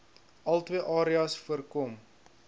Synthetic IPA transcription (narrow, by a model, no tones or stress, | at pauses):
ʔɐlˠtwiəʔɑːɾiɐsfuərkɔm